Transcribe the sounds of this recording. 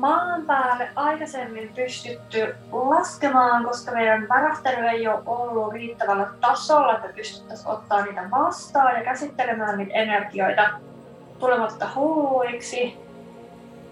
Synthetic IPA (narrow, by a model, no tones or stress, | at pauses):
mɑːmpæːlːeʔʔɑjkɑse̞mːimpyst̪yt̪ːy | lɑske̞mɑːŋko̞skɑme̞jdænʋæɾæst̪elyejoʔolːuriːt̪ːæʋælːæt̪ɑso̞lːɑet̪ːæpyst̪y̥t̪ːæso̞̰t̪ːɑːnniːt̪æʋɑst̪ɑːjɑkæsit̪ːe̞le̞mæːnːiːt̪e̞ne̞rɡio̞jt̪ɑ | t̪ule̞mɑt̪ːɑhuːuiksi